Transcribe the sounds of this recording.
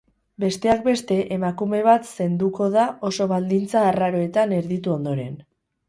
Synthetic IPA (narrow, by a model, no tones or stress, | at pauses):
be̞st̪e̞ak̚be̞st̪e̞ʔemakume̞β̞at̪se̞nd̪uko̞ðao̞so̞βald̪int͡saːraɾo̞e̞t̪ane̞ɾðit̪uo̞nd̪o̞ɾe̞n